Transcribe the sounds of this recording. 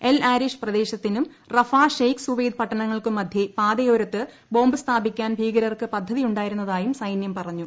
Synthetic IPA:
e̞laːɾiʂprɐd̪e̞ːɕɐt̪ːinum | rɐfaːʂejksuʋejd̪̚pɐʈːɐɳɐŋːɐɭkɨmːɐd̪ʱjɐpaːd̪ɐjoːɾɐt̪ːɨ | bo̞ːmbɨst̪ʰaːbikʲːaːnbʱiːɡɐɾɐrkɨpɐd̪ʱːɐðijuɳɖaːjiɾunːɐðaːjumsɐjnjɐmpɐrɐɲːu

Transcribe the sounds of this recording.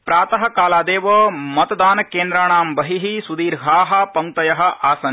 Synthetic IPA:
pɾaːt̪ɐɦɐ̆kaːlaːd̪eːʋɐmɐt̪ɐd̪aːnɐkeːnd̪ɾaːɳaːmbɐɦiɦisud̪iːɾɦaːɦɐ̆pɐŋ̚t̪ɐjɐɦɐ̆ʔaːsɐn

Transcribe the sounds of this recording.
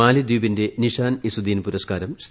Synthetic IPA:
aːlid̪uːbinde̞niʂaːnisud̪iːnpuɾɐskaːɾɐms

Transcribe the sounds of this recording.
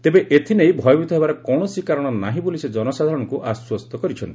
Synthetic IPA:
it̪ebeʔet̪ʰinejbʱɔjɔbit̪ɔɦebaɾekɔ̃ɔsikaɾɔɽ̃ɔnaɦĩbolised͡ʒɔnɔsad̪ʱaɾɔɽ̃ɔkuʔaswɔst̪ʰɔkɔɾit͡ʃʰɔnt̪i

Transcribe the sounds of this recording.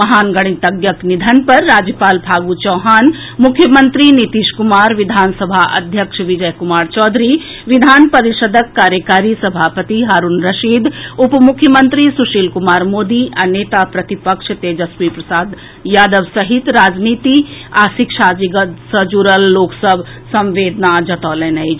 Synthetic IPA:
ɐɦaːnɡɐɽ̃it̪ɐɡjəknid̪ʱənpɐɾːaːd͡ʒjəpaːlbʱaːɡut͡ʃɔːɦaːn | mʊkʰːjəmə̃nt̪ɾinit̪iːʃkʊmaːɾʋɪd̪ʱaːnsɐbʱaʔɐ̰d̪ʱjəkʃʋɪd͡ʒɐjkʊmaːɾt͡ʃɔːd̪ʱɾi | ʋɪd̪ʱaːnpɐɾɪʃəd̪ʱəkːaːɾjəkaːɾisɐbʱaːpət̪iɦaːɾunɾɐʃiːd̪ʊpmukʰːjəmə̃nt̪ɾisuʃiːlkumaːɾmoːd̪ianeːt̪apɾɐt̪ipəkʃt̪eːd͡ʒəswipɾɐsaːd̪ | jaːd̪əʋsɐɦit̪ɾaːd͡ʒniːt̪iaːsikʃad͡ʒiɡ̪səd͡ʒuɾəlːoːksəbʱsɐ̃mʋeːd̪nad͡ʒɐt̪ɔːlɛ̃ːnɐi

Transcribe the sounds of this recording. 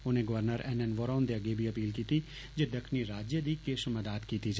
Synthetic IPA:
ʊnẽɡɐʋəɾnəɾɛnɛnʋoːɾaːnd̪eɐɡebʱiɐpiːlkiːt̪i | d͡ʒed̪ɐkʰniɾaːd͡ʒjəd̪ikeʃʊməd̪aːt̪kiːt̪id͡ʒ

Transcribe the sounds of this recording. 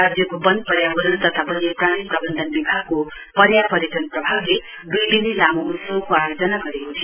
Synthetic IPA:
ad͡zjʌkobʌnd̪̚pʌɾjabʌɾʌnt̪ʌt̪ʰabʌnepranipɾʌbʌnd̪ʱʌnbibʱaɡko | pʌɾjapʌɾekʌnprʌbʱable | d̪ujbinilamout̪sʌɡkoajod͡zʌnaɡʌɾekot̪ʰi

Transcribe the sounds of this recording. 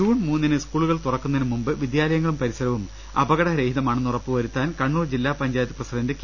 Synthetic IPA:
uːɳmuːnːinɨskuːɭuɣɐɭt̪urɐkːunɐinɨmumbɨʋid̪jaːlɐjɐŋːɐɭumpɐɾisɐɾɐʋum | ɐbɐɣɐɽɐɾe̞ːhiðɐmaːɳɨnurɐpːɨʋɐɾut̪ːaːnkɐɳːuːrd͡ʑilːaːpɐɲd͡ʑaːjɐt̪ːiprɐsidɐndɨk

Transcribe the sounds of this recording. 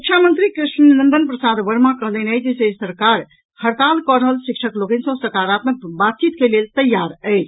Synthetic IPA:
ukt͡ʃʰjamənt̪ɾikɾiʃnlənd̪ənpɾəsad̪ʋəɾmakəɦd̪ənɛd͡ʒesesəɾkaɾ | həɾt̪alkəɾəɦəlʃikʃʰəkloɡənsə̃səɾkaɾat̪məkbat̪̚t͡ʃit̪kelelt̪əjːaɾəɪt͡ʃʰ

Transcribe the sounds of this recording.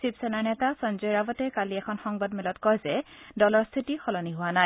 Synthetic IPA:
sipsɛnaɹnɛtasɔnzɔjɹabɔtɛkaliɛkʰɔnxɔŋbadmilɔtkɔjzɛdɔlɔɹst̪ʰitixɔlɔniɦʊwanaj

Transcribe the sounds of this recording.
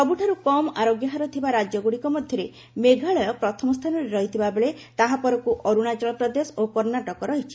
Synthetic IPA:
ɔbuʈʰaɾukɔmaɾoɡjɔɦaɾɔt̪ʰibaɾad͡ʒjɔɡuɽikɔmɔd̪ʱjɔɾe | meɡʱaɭɔjɔpɾɔt̪ʰɔmɔst̪ʰanɔɾeɾɔɦit̪ʰibabeɭet̪aɦapɔɾɔkuʔɔɾuɽ̃at͡ʃɔɾɔpɾɔd̪esɔokɔɾnaʈɔkɔɾɔɦit͡ʃʰi̥

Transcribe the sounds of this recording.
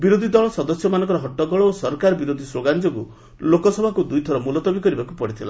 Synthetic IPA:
biɾod̪ʱid̪ɔɭɔsɔd̪ɔsjɔmanɔ̃ŋkɔɾɔɦɔʈːɔɡɔɭɔosɔɾkaɾɔbiɾod̪ʱisɾoɡant͡ʃɔku | lokɔsɔbʱakud̪ujt̪ʰɔɾɔmulɔt̪ɔbikɔɾibakupɔɽit̪ʰila̰

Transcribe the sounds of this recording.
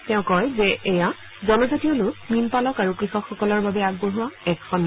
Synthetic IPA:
tɛʊ̃kɔjzɛʔɛja | zɔnɔzatiɔlʊkminpalɔkaɹukɹixɔkxɔkɔlɔɹbabɛaɡ̚boɦuwaɛkxɔnː

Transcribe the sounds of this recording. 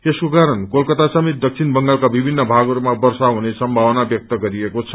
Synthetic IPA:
eskokaɾʌnkolkʌt̪asʌmit̪̚d̪ʌk̚sʰinbʌŋɡalkabibʱinːʌbʱaɡʌɾumabʌrsaɦunesʌmbʱawnabjʌk̚t̪ʌɡʌɾiekot͡sʰʌ̥

